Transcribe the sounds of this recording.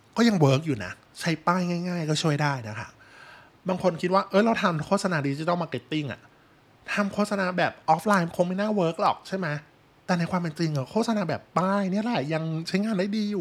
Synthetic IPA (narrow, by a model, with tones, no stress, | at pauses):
kɔː˥˩ja˧ŋwɤː˦˥k̚juː˨˩na̰˦˥ | t͡ɕʰa˦˥jpaː˥˩jŋaː˥˩jŋaː˥˩jkɔː˥˩t͡ɕʰu˥˩əjdaː˥˩jna˦˥kʰa̰˦˥ | baː˧ŋkʰo˧nkʰi˦t̪̚waː˥˩ʔɤː˦˥jɾa˧wt̪ʰa˧mkʰoː˥˩t̪̚sa˧naː˧di˧t͡ɕi˧t̪a˥˩maː˧ke˦˥t̪ːi˥˩ŋʔa̰˨˩ | t̪ʰa˧mkʰoː˥˩t̪̚sa˧naː˧bɛː˨˩p̚ʔɔː˦˥flaː˧jkʰo˧ŋma˥˩jnaː˥˩wɤː˦˥k̚lɔː˨˩k̚t͡ɕʰa˥˩jma˦˥j | t̪ɛː˨˩na˧jkʰwaː˧mpe˧nt͡ɕi˧ŋa˨˩kʰo˥˩t̪̚sa˧naː˧bɛː˨˩pːaː˥˩jni˥˩ɐlɛ˨˩ja˧ŋt͡ɕʰa˦˥jŋaː˧ndaː˥˩jdiː˧juː˨˩